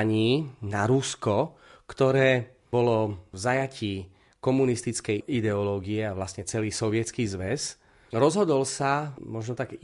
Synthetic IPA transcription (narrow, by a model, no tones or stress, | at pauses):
ɲiːnaɾuskɔkt̪ɔɾɛː | bɔlɔvzajaciː | kɔmunist̪it͡skɛjid̪ɛɔlɔːɡiɛaʋlasɲɛt͡sɛliːsɔʋɪɛt͡skiːzʋɛs | ɾɔzɦɔd̪ɔlsamɔʒnɔt̪aɡ